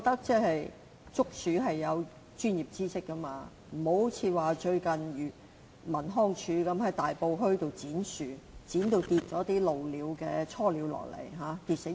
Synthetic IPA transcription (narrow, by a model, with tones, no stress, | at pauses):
ɔ˨˧k̚t̪ɐ˥k̚t͡sɛː˥˩hɐ˨j | t͡sʊ˥k̚syː˨˥ɦɐ˨jːɐ˨˧w | t͡ʃyː˥njiː˨˩p̚t͡siː˥sɪ˥kːɐ˥maː˧ | m̩˨˩ho˨˥wt͡sʰiː˨˧waː˨˩t͡ʃɵ˧ɥkɐ˨njyː˨ | mɐ˨˩nɦɔː˥ŋt͡ʃʰyː˨˧kɐ˨˥mhɐ˨˥jt̪aː˨jpo˧wɦɵ˥ɥt̪o˨wt͡siː˨˥nsyː˨t͡siː˨˥nt̪o˨˧wt̪iː˧p̚t͡sɔː˨˥t̪iː˥lo˨wliː˨˥wkɛː˧t͡sʰɔː˥liː˨˧wlɔ̰ː˨˩k̚lḛ˨˩jɦaː˨˧˥t̪iː˧p̚se˨˥